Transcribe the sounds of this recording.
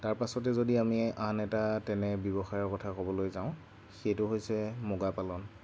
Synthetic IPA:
taɹpasɔt̬ɛzodiamianɛtatɛnɛbjɔbɔxajɔɹkɔtʰakɔbɔlojzãʊ̃ | xejtʊɦojsɛmoɡapalɔn

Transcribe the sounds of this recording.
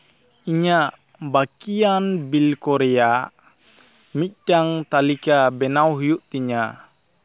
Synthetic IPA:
iɲaʔ | bakianbilkɔɾɛja | mit̪̚ɖaŋt̪alikabɛnawɦujuʔt̪iɲa

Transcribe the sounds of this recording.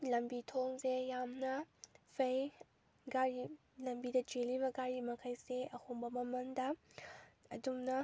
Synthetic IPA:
lɐmbitʰoŋzejamnɐpʰɐj | ɡaɾi | lɐmbidɐd͡ʒeliβɐɡaɾimɐkʰɐjseɐhombɐmɐmɐndɐ | ɐdumnɐ

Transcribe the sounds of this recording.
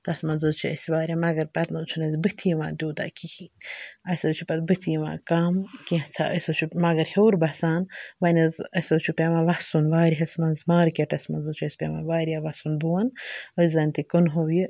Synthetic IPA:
t̪ɐsmɐnzot͡ʃʰuɐ̰sʲiʋaːɾʲamɐɡɐɾpɐt̪nɐt͡ʃʰunɐzbɨt̪ʰijiʋã̰ːd̪ʲuːd̪a̰kihiɐsʲɐt͡ʃʰupɐt̪bɨt̪ʰijiʋã̰ːkamkit͡sʰa̰ʔɐsʲot͡ʃʰumɐɡɐɾheːɾbɐsaːnʋɐnɐzɐsʲot͡ʃʰupʲeʋãːʋɐsunʋaːɾiɦɐsmɐnzmaːɾkʲeʈɐsmɐnzot͡ʃʰuɐsʲpʲḛʋa̰ːʋaːɾijaʋɐsunbuwɐnəszɐnʲt̪ikɨnɦowji

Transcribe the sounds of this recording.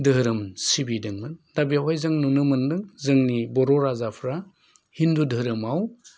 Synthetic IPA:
dɯɦɾɯmsibidɯŋmɯndabiawajzɯŋnunɯmɯndɯŋzɯŋnibɔɾoɾazapʰɾa | hindudɯɾɯmaw

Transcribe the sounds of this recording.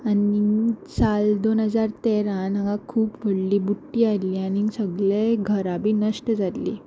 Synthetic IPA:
anit͡sald̪onɦəd͡zaɾt̪eɾãnaɡãkʰuːpʋəɽliːbuʈːiːaliːañisəɡɭeɡʱəɾabʱiːnəʂʈəd͡zat̪lḭː

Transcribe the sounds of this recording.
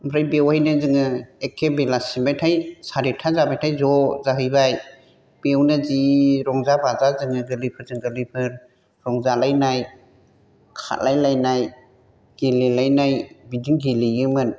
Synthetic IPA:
mɾajbewajnɯzɯŋɯekʰːebelasimbajtʰajsaɾitʰazabajtʰajzɔzaɦɯjbaj | b̥ewnɯziɾɔŋzabazazɯŋɯɡɯlipʰɯɾzɯŋɡɯlipʰɯɾ | ɾɔŋzalajnaj | kʰa̰lajlajnaj | ɡ̥elilajnajbidiŋɡilijɯmɯn

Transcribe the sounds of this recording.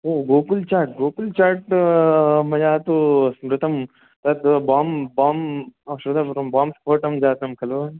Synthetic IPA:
oːɡoːkult͡ʃaːʈ̚ɡoːkult͡ʃaːɾʈ | mɐjaːt̪osmɾɪt̪ɐm | t̪ɐt̪baːmbaːmsɾud̪aɾɐmbaːmspʰoːʈɐmd͡ʒaːt̪ɐmkʰɐloː

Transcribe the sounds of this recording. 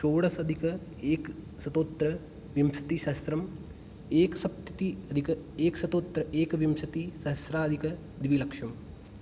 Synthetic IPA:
t͡ʃoːɽɐsɐd̪ʱikɐeːk | sɐt̪oːt̪ɾɐ | ʋjɐmsɐ̥t̪isɐɦɐsɾɐm | eːkɐsɐp̚t̪it̪iɐd̪ʱikɐ | eːksɐt̪oːt̪ɾɐʔeːkʋjɐmsɐt̪isɐɦɐsɾaːɐd̪ʱikɐ | d̪ʋilɐkʂɐm

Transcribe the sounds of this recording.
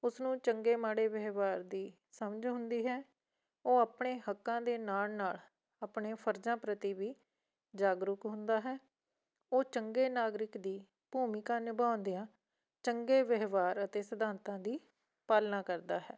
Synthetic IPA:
ʊsnũːt͡ʃəŋɡeːmaːɽeːʋəɦʋaːɾd̪iː | səməd͡ʒɦʊ̃nd̪iːɦɛː | oːaːpɳeːhəkːãːd̪eːnaːlnaːl | aːpɳeːpʰəɾd͡ʒãːpɾət̪iːʋiː | d͡ʒaːɡɾʊkɦʊ̃nd̪aːɦɛː | oːt͡ʃəŋɡeːnaːɡɾɪkd̪iː | b̥uːmɪkãːnɪbãːnd̪ijãː | t͡ʃəŋɡeːʋəɦʋaːɾət̪eːsəd̪aːnt̪ãːd̪iː | paːlnãːkəɾd̪aːɦɛː

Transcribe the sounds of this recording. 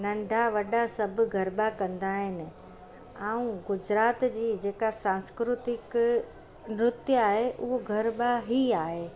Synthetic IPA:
nɐ̃ɳɖʱaʋɐɗasɐbʱɡʱɐɾbakɐ̃nd̪aːɦɪnɪ̆ | ãːũɡʊd͡ʑɾaːt̪d͡ʑiːd͡ʑeːkasãːnskɾʊt̪ɪk | nɾʊt̪jəaːɦeʔʊɦoɡʱɐɾbaɦiaːɦeː

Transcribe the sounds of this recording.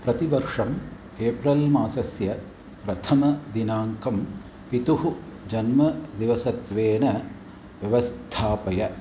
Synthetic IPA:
pɾɐt̪iʋɐɾʂɐm | eːpɾɐlmaːsɐsjɐ | pɾɐt̪ʰɐmɐd̪inaːŋkɐm | pit̪uɦud͡ʒɐnmɐd̪iʋɐsɐt̪ʋeːnɐ | ʋjɐʋɐst̪ʰaːpɐjɐ

